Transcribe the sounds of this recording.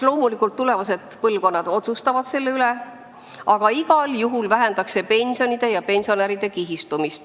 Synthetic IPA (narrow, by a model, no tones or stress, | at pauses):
lo̞ːmulikːˑult̪ːule̞vɑse̞d̪̥pɤlvko̞nːɑd̪̥o̞t̪sust̪ɑvɑd̪̥se̞lːe̞yle | ʔɑɡ̥ɑiɡ̥ɑljuɦulvæɦe̞nd̪ɑkse̞pe̞nʲsio̞nid̪̥e̞jɑpe̞nsio̞næɾid̪̥e̞kiɦist̪umist̪